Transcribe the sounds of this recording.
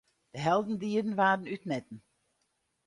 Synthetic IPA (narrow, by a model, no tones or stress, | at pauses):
d̥əɦɛlˠdn̩diːədən̩ʋaːdən̩ytnɛt̚n̩